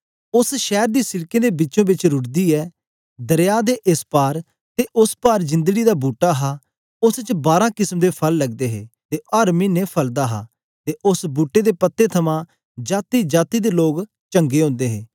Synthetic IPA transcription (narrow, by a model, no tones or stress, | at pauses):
ʊsʃɛːɾd̪iːsɪɽkẽːd̪eːbɪt͡ʃõːbɪt͡ʃɾʊʈd̪iːɛː | d̪əɾjaːd̪eːʔɪspaːɾ | t̪eːʔʊspaːɾd͡ʒɪ̃nd̪əɡiːd̪aːbuːʈːaːɦaː | ʊst͡ʃbaːɾãːkɪsmd̪eːpʰəlːəɡd̪eːɦeːt̪eːaːɾmiːneːpʰəld̪aːɦa̰ː | t̪eːʔʊsbuːʈːeːd̪eːpət̪ːeːt̪ʰəmãː | d͡ʒaːt̪iːd͡ʒaːt̪iːd̪eːloːɡ | t͡ʃəŋɡeːɦõːnd̪eːɦeː